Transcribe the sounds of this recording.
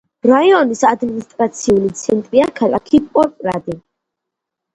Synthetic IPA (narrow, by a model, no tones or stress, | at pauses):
ɾaiɔnisad̪minist̪ʼɾat̪sʰiulit̪sʰɛnt̪ʼɾiakʰalakʰipʼpʼɔɾpʼɾad̪i